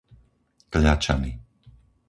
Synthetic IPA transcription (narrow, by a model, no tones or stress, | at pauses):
kʎat͡ʃani